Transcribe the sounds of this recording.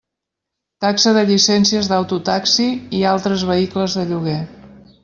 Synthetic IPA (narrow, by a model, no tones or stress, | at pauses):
t̪aksəðəʎisɛnsiəzðəwt̪ut̪aksiialˠt̪ɾəzβəikləzðəʎuɣ̞e